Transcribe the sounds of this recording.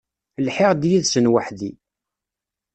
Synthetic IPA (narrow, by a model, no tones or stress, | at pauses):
lħɪʁd̪jiðsənwəħði